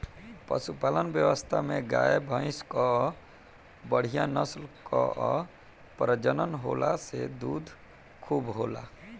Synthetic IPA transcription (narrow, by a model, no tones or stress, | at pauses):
pə̰supalənbjəwəst̪ʰamẽɡajebʱə̃ɪ̃skɔ | bəɽ̤ijãnəslkɔ̰ | pɾəd͡ʒənənɦolased̪ud̪ʱ | kʰubɦola